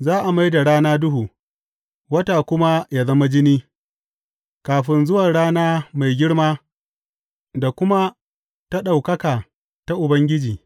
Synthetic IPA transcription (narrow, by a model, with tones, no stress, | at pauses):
zaː˦ʔa˨ma˦jda˨ɽaː˦naː˦dʊ˦ɦuː˨ | wɐ˦ta˨kʷʊ˦ma˦jaː˦zɐ˦ma˦d͡ʒɪ˦niː˦ | kaː˨ɸɪ˦nzʊ˦wa˨ɽaː˦naː˦ma˨jɡʲɪ˦ɽmaː˦ | da˨kʷʊ˦ma˦ | ta˦ɗa˨wkɐ˦kaː˨ | ta˦ʔʊ˨bɐ˦ŋɡʲɪ˦d͡ʒiː˨